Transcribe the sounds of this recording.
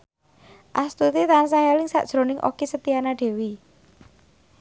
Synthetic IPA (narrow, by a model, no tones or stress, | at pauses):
ʔast̪ut̪it̪ans̬aŋalɪŋsa̰ʔd̥ʒ̥ɾo̤nɪŋʔo̰kisət̪ianaɖ̪̥e̤wi